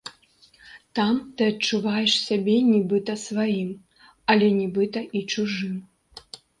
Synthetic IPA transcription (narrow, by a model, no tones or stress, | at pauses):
t̪amt̪ɨɐt͡ʂuvajɛʂsʲabʲɛnʲibɨt̪ɐsvajim | ɐlʲɛnʲibɨt̪ɐʔit͡ʂuʐɨm